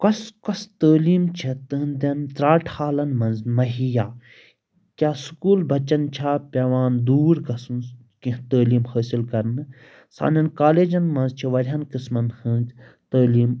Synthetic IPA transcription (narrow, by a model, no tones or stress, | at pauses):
kɐskɐst̪əːliːmt͡ʃʰit̪ɨnd̪ʲɐnt̪ɾaːʈʰhaːlɐnmɐ̃nzmɐɦijaː | kʲaːsukuːlbɐt͡ʃɐnt͡ʃʰaːpʲɐʋaːnd̪uːɾkɐsn | kĩɦt̪əːliːmhəːsilkɐɾnɨ | sa̰ːnɐnkaːleːd͡ʒɐnmɐ̃nzt͡ʃʰiʋɐɾʲɦɐnkɨsmɐnhɐ̃nd͡ʒt̪əːliːm